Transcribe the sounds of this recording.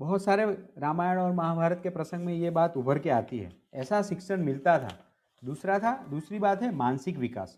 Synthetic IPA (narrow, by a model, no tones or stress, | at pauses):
bɐɦʊt̪saːɾeɾaːmaːjəɽ̃ɔːɾmɐɦabʱaːɾət̪̚kepɾɐsə̃ŋɡmẽjebaːt̪ʊbəɾkeaːt̪iɦɛ̰ːɛːsaʃɪkʃəɽ̃mɪlt̪at̪ʰa̰ː | d̪uːsɾat̪ʰad̪uːsɾibaːt̪ɦɛmãːnsɪkʋɪka̰ːs